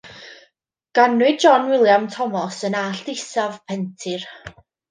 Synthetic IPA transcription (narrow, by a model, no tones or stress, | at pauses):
ɡ̥anwɨd̚d͡ʒɔnwɪlˠjamtʰɔmɔsənaːɬd̥ɪsavpʰɛntʰɪr